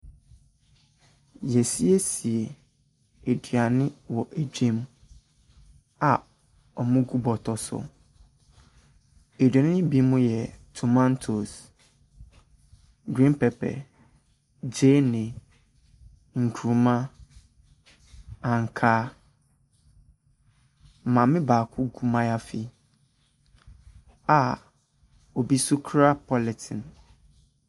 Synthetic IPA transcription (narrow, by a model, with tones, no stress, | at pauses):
jɛ˨si˦e˦si˨e˨ | e˨dɥa˨nɪ̃˦wɔ˨ʔe˨dᶣẽ˦m | a˨ | ɔ˨mʊ̃˦ɡu˦bɔ˨tʰɔ˨sʊ̰˨ | e˨dɥɛ˨nɪ̃˦ɪ̃˦bi˦mũ˦jɛ˨tʰu˨mã˦n˦tʰo˨s | ɡɾĩ˦npʰɛ˨pʰɛ̰˨ | d͡ʑeː˦nɪ̃˨ | ŋ̩˨kʰu˨ɾu˨mã˦ | ã˨ŋ̩˨kʰaː˦˨ | mã˨mɪ̃˦baː˨kʰʊ˦ɡu˦mã˦ja˦fi˦ | a˨ | o˨bi˦su˦kʰɾa˦pʰɔ˦lɛ˨tʰɪ̃˨n